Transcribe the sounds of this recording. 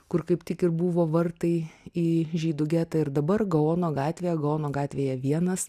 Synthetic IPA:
kʊrkɐɪpt̪ʲɪkɪrbuːʋoːʋɐrt̪ɐɪiːʒʲiːd̪ʊɡʲæːt̪ɐɪrd̪ɐbɐrɡɐoːnoːɡɑːt̪ʲʋʲeːjɛɡɐoːnoːɡɑːt̪ʲʋʲeːjɛʋʲiɛnɐs

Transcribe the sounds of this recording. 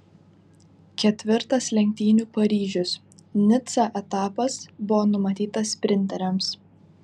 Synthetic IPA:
kʲɛt̪ʲʋʲɪɾt̪ɐslʲɛŋʲk̚ʲt̪ʲiːnʲuːpɐɾʲiːʒʲʊs | nʲɪt̪sɑʔɛt̪ɑːpɐsbʊʋoːnʊmɐt̪ʲiːt̪ɐspʲɾʲɪnʲt̪ʲɛɾʲɛms

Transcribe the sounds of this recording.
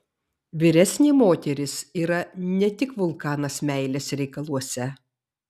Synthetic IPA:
ʋʲɪɾʲɛsʲnʲɪmoːt̪ʲɛɾʲɪsiːɾɐnʲɛt̪ʲɪkʋʊlˠkɑːnɐsmʲæɪlʲeːsɾʲɛɪkɐlˠuɔsʲɛ

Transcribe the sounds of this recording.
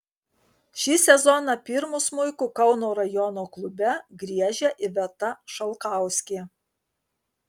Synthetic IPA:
ʃʲiːsʲɛzɔnɑpʲɪɾmʊsmʊɪkʊkɐʊnoːɾɐjɔnoːklˠʊbʲɛɡɾʲiɛʒʲɛʔɪʋʲɛt̪ɐʃɐlˠkɑˑʊsʲkʲeː

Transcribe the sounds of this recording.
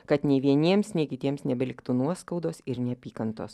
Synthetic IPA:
kɐt̪nʲeɪʋʲiɛnʲiɛmsnʲeːkʲɪt̪ʲiɛmsnʲɛbʲɛlʲɪkt̪uːnuɔskɐʊd̪oːsɪɾnʲɛɐpʲiːkɐnt̪oːs

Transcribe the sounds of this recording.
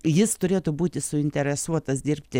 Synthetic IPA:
jɪst̪ʊɾʲeːt̪ʊbuːt̪ʲɪsʊɪnʲt̪ʲɛɾʲɛsuɔt̪ɐsd̪ʲiːɾʲpʲt̪ʲɪ

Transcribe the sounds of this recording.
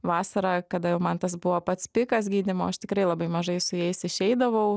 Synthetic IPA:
ʋɑːsɐɾɑːkɐd̪ɐjɛʊmɐnt̪ɐsbʊʋoːpɐt̪spʲɪkɐs̬ɡʲiːd̪ʲɪmoːɐʃt̪ʲɪkɾɐɪlˠɐbɐɪmɐʒɐɪsʊjɛɪsɪʃʲɛɪd̪ɐʋɐʊ

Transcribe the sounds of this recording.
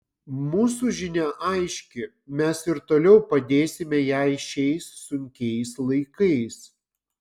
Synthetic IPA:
muːs̬uʒʲɪnʲæʔɐɪʃʲkʲɪ | mʲɛsɪɾt̪oːlʲɛʊpɐd̪ʲeːsʲɪmʲɛjæɪʃʲɛɪsːʊŋʲkʲɛɪslˠɐɪkɐɪs

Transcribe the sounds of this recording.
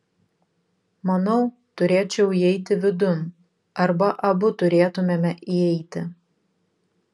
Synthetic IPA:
mɐnɔʊ | t̪ʊɾʲeːt͡ʃʲɛʊiɛɪt̪ʲɪʋʲɪd̪ʊn | ɐɾbɐʔɐbʊt̪ʊɾʲeːt̪ʊmʲeːmʲɛʔiɛɪt̪ʲɪ

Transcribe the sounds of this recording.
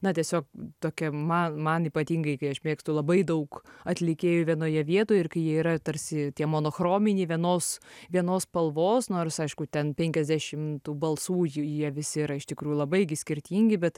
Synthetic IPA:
nɐt̪ʲiɛsʲoːkt̪oːkʲɛmɐnmɐniːpɐt̪ʲiːŋɡɐɪkɐɪɐʃmʲeːkst̪ʊlˠɐbɐɪd̪ɐʊkɐt̪ʲlʲɪkʲeːjoːʋʲiɛnoːjɛʋʲiɛt̪oːjɛɪrkɐɪjiɛiːɾɐt̪ɐɾʲsʲɪt̪ʲiɛmoːnoːxroːmʲɪnʲiːʋʲiɛnoːsʋʲiɛnoːspɐlˠʋoːsnoːrsɐɪʃkʊt̪ʲɛnpʲɛŋʲkʲɛzʲd̪ʲæʃʲɪmt̪uːbɐlˠsuːjjiɛʋʲɪsʲɪiɾɐɪʃt̪ʲɪkɾuːjulˠɐbɐɪɡʲɪsʲkʲɪɾʲt̪ʲiːŋʲɡʲɪbʲɛt̪

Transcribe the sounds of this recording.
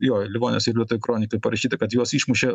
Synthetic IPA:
joːlʲɪʋoːnʲesɪɾlʲiɛt̪uːʋʲʊkɾoːnʲɪkɐɪpɐɾɐʃʲiːt̪ɐkɐt̪juɔsiːʃmʊʃʲɛ

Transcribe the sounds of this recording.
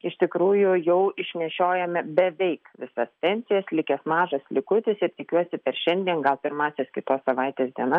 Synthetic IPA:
ɪʃt̪ʲɪkɾuːjʊjɛʊɪʃʲnʲɛʃʲoːjɛmʲɛbʲɛʋʲɛɪkʋʲɪsɐspʲɛnʲsʲɪjɛslʲɪkʲɛsmɑːʒɐslʲɪkʊt̪ʲɪsɪɾt̪ʲɪkʲuɔsʲɪpʲɛɾʃʲɛnʲd̪ʲiɛnɡɐlˠpʲɪɾmɑːsʲɛskʲɪt̪oːssɐʋɐɪt̪ʲeːsd̪ʲiɛnɐ

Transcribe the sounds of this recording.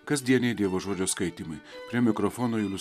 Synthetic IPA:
kɐzʲd̪ʲiɛnʲɛɪd̪ʲeːʋoːʒoːd͡ʒʲoːskɐɪt̪ʲɪmɐɪpʲɾʲiɛmʲɪkɾɔfoːnoːɪlʲˠʊ

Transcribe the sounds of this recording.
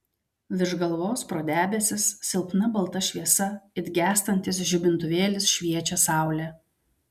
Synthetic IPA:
ʋʲɪɾʒɡɐlˠʋoːspɾoːd̪ʲæːbʲɛsʲɪssʲɪlˠpnɐbɐlˠt̪ɐʃʲʋʲiɛsɐɪd̪ʲɡʲæːst̪ɐnʲt̪ʲɪsʒʲʊbʲɪnt̪ʊʋʲeːlʲɪsʃʲʋʲiɛt͡ʃʲɛsɑˑʊlʲɛ

